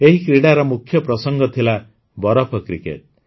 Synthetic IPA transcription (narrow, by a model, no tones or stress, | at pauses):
eɦikɾiɽaɾɔmukʰːjɔpɾɔsɔŋɡɔt̪ʰila | bɔɾɔpʰɔkɾikḛʈ̚